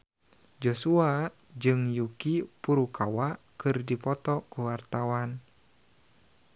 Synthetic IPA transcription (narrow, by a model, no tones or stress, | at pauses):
d͡ʒosua | d͡ʒɨŋjukipuɾukawa | kɨrdipɔt̪ɔkuwart̪awan